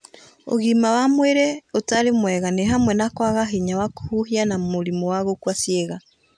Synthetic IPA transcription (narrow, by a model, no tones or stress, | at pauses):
o̰ɣimawamweɾɛotaɾemwɛɣaneɦamwɛnakwaɣaɦiɲawako̥huhianamoɾimowaɣokwasjeɣa